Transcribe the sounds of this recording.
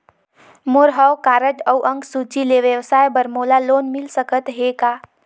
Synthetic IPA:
moɾɦəwkaːɾəʈəwʔəŋɡsut͡ʃileʋjəʋsajbəɾmolalonmilsəkət̪ɦeka

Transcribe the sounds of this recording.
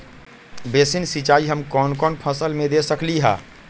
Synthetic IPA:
besinsit͡ʃaːiɦəmkɔnkɔːnpʰəsəlmẽd̪esəkliɦa̰ː

